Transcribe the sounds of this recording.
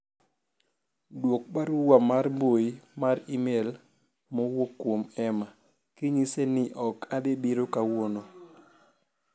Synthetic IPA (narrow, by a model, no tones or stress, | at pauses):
dwok̚paɾuwamarmboimaɾimel | mowokːwomɛma | kiɲisenɪʔɔkadebiɾokawono